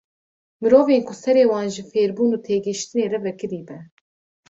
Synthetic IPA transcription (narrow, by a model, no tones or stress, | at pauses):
mɨɾoːveːnkʰʊsɛɾeːwɑːnʒɨfeːɾbuːnuːt̪ʰeːɡɨʃt̪ɨneːrɛvɛkɨɾiːbɛ